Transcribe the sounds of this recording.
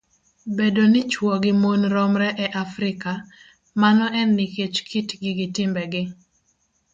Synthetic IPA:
bedonɪt͡ʃwɔɡɪmonɾɔmɾɛʔɛʔafɾɪka | manɔɛnːiket͡ʃkʰitɡɪɡɪtɪmbɛɡɪ

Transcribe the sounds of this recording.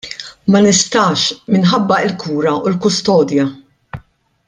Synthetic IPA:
mɐnɪst̪ɐʃmɪnħɐbːɐɪlkʰuːɾɐulkʊst̪ɔːd̪jɐ

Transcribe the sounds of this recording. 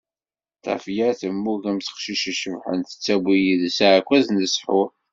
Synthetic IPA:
t̪ˤɑ̰fjaɾæθəmːuʝæmθə̥qʃiʃiʃəvħə̰nθə̥t͡sːæbijiðsaʕkʷːæznəsħʊɾ

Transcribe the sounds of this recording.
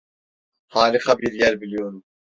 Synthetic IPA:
hɑːlɨqʰɑbiɾjɛɾbilijoɾu

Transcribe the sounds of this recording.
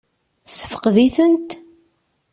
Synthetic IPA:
θsːə̥fə̥qðiθənt̪

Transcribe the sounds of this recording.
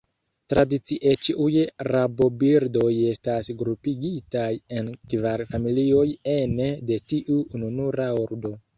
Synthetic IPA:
tɾadit͡siʔet͡ʃiʔujɾabo̞biɾdo̞je̞stasɡɾupiɡitajenkvaɾfamilio̞je̞nede̞tiʔuːnunuɾaoɾdo̞

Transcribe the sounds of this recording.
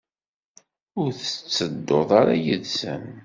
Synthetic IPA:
ʊɾθə̥t͡sːəd̪ːoðˤaɾajəðsə̰n

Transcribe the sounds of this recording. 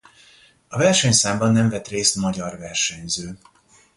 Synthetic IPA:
ɒvɛrʃɛɲsaːmbɒnːɛɱvɛt̪reːst̪mɒɟɒrvɛrʃɛɲzøː

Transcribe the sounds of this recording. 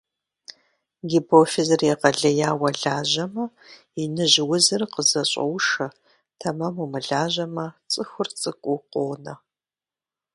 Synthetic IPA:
ɡʲipʰofɪzɨrjɛqɐɮɐjaːwɐɮaːʑɐmɐ | inɨʑɪwʊzɨrqəzɐɕʼɐ̰wʂɐ | tʰɐmɐmumɨɮaːʑɐmɐt͡sʼɨxʷʊrt͡sʼɨkʷʼʊqʷoːnɐ

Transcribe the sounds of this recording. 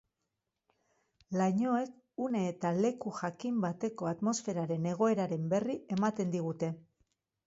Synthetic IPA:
laɲo̞e̞k | une̞ːt̪ale̞kuʝakimbat̪e̞ko̞at̪mo̞sfe̞ɾaɾe̞ne̞ɣ̞o̞e̞ɾaɾe̞mbe̞rie̞mat̪e̞nd̪iɣ̞ut̪e̞

